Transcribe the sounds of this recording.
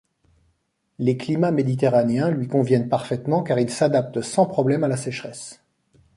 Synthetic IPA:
leklimamed̪it̪eʁaneɛ̃lɥikɔ̃vjɛnpaʁfɛt̪mɑ̃kaʁilsad̪ap̚t̪sɑ̃pχɔblɛmalasɛʃχɛs

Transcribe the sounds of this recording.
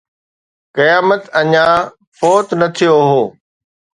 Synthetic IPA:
kɐjaːmət̪ɐɲãː | fɔːt̪nɐt̪ʰijoɦoː

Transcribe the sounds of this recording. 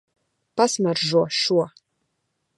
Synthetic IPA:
pasmɐrʒuʃuɔ

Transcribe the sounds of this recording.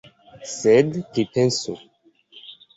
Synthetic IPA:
sɛd̪kepɛ̃nso

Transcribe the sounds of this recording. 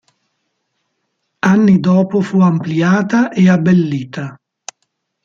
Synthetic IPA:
anːid̪ɔːpofuampliaːt̪aʔeabːelːiːt̪a

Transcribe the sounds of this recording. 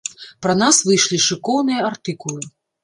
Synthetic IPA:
pɾɐnasvɨjʂlʲiʂɨkɔwnɨjɐart̪ɨkulˠɨ

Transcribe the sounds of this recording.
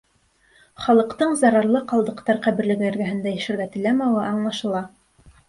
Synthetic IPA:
χɑlˠɤ̆qt̪ɤɴzɑɾɑɾlˠɤqɑlˠd̪ɤ̆qt̪ɑɾqæβɘ̆ɾlɘ̆ɡæɘɾɡæɦɘ̆nd̪æjɘ̆ʃɘ̆ɾɡæt̪ɘ̆læmæwɤɑɴlˠɑʃɤ̆lˠɑ

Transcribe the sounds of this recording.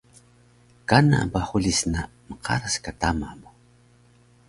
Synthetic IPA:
kana̰ʔbahulisnaməqʰa̰ɾaskatamabo

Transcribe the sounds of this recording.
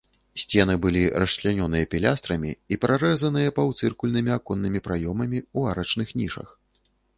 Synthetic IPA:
sʲt͡sʲɛnɨbɨlʲiɾrɐt͡ʂlʲanʲɔnɨjɐpʲilʲast̪ɾɐmʲiipɾʔaɾɛzɐnɨjɐpɐwt̪sɨrkulʲnɨmʲiakɔnːɨmʲipɾajɔmɐmʲiuaɾɐt͡ʂnɨxnʲiʂɐ̰x

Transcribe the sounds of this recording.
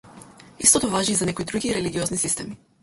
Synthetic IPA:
ḭst̪ɔt̪ɔvaʒiːzanɛkoid̪ɾuɡiɾɛliɡʲiɔznisist̪ɛmi

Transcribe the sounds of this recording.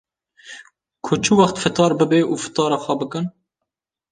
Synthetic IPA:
kʰʊt͡ʃʰɨwɑχt̪fɨt̪ɑːɾbɨbeʔuːfɨ̥t̪ɑːɾɑxʷɛbɨkɨn

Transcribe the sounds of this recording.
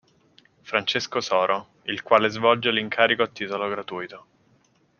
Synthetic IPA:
fɾant͡ʃeskosɔːɾʔo | ilkwaːlezvɔld͡ʒeliŋkʰaːɾikoat̪ːiːt̪oloɡɾat̪uːjt̪o

